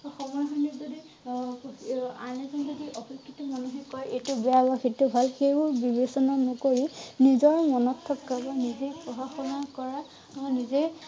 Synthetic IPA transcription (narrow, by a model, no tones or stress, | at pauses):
ɔxɔmɔɦɔjnizodi | anɛzɔnzɔdiʔɔxɔkʰːitɔmanuɦekɔjetʊbɛabaxitubʱalxejbʊɹbibesɔnanɔkoɹinizɔɹmɔnɔtʰːɔkkabanizepɹɔxaxɔnakɔɹa | nize